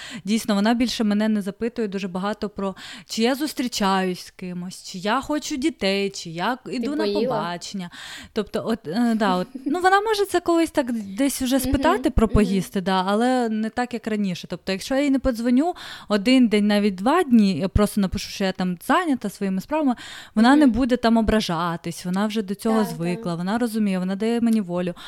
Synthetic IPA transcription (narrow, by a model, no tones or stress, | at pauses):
dʲijsnɔʋɔnɑbʲilʲʃɛmɛnɛnɛzɐpɪt̪ʊjɛd̪uʒɛbɐɦɑt̪ɔpɾɔt͡ʃɪjazʊst̪ɾʲit͡ʃajʊsʲskɪmʊɔsʲt͡ʃɪjaxɔt͡ʃʊdʲit̪ɛjt͡ʃɪjaid̪unɐpɔbɑt͡ʃenʲːɐt̪ɔpt̪ɔʔɔt̪d̪ɑɔt̪nuʋɔnɑmɔʒɛt̪sɛkɔlˠɪsʲt̪ɑkd̪ɛsʲwʒɛspɪt̪ɑt̪ɪpɾɔpɔɦist̪ɪd̪ɑːlˠɛnɛt̪ɑkjɐkrɐnʲiʃɛt̪ɔp̚t̪ɔjɐkʃt͡ʃɔjajinɛpɔzʋɔnʲuɔd̪ɪnd̪ɛnʲnɑʋʲit̚ʲd̪ʋɑdʲnʲiapɾɔst̪ɔnɐpɪʃu̥ʃt͡ʃɔjat̪ɑmz̥ɑnʲɐt̪ɐsʋɔjimɪspɾɑʋɐmɪʋɔnɑnɛbud̪ɛt̪ɑmɔbɾɐʒɑt̪ɪsʲʋɔnɑwʒɛd̪ɔt͡sʲɔɦɔzʋɪklˠɐʋɔnɑɾɔzʊmʲijɛʋɔn̪ɑd̪ɐjɛmenʲiʋɔlʲʊ